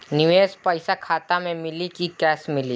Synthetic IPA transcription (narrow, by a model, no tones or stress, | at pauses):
nɪʋeːspəɪsakʰaːt̪amẽmɪlikikɛːsmɪli